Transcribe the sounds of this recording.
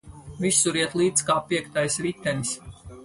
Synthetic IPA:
visːuɾiɛt̪lˠiːt̪skaːpiɛkt̪ajsɾit̪ʲːɛnis

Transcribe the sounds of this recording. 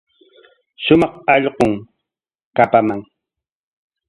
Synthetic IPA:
ʃʊmɑχɑʎqoŋ | kapamaŋ

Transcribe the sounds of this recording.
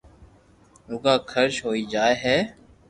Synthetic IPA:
ʊɡaːkʰəɾʃɦoːiːd͡ʒaːeːɦɛː

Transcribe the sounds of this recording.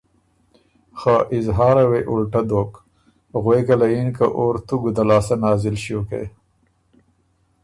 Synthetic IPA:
xaʔɪzɦɑːɾaweʔulʈad̪oːk | ɣwekalajinkaʔoːɾt̪uɡud̪alɑːsanɑːzɪlʃiokḛ

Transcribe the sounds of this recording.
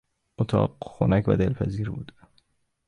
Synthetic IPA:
ot̪ʰɒ̰ːɢxonæcʰvæ̰d̪elpʰæziːɾbṵːd̪

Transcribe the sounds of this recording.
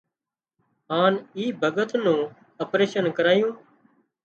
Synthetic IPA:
ɦaːniːbʱəɡət̪nũː | əpɾeːʃənkəɾaːjũː

